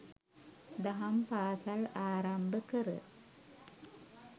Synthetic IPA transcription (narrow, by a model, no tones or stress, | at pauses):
d̪ɐɦɐmpaːsɐlaːɾɐmbəkəɾə̰